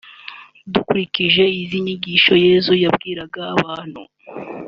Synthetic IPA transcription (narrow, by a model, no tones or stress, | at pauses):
dukuɾiciʒe̞iziɲiɡiːʃo̞je̞ːzujabɡiːɾaɡaːβaːn̥hṵ